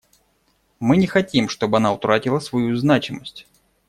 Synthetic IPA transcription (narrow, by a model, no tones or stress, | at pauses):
mɨnʲɪxɐtʲimʂt̪o̞bɨɐnaʊt̪ɾatʲɪlˠəsvɐjuznat͡ɕɪməsʲtʲ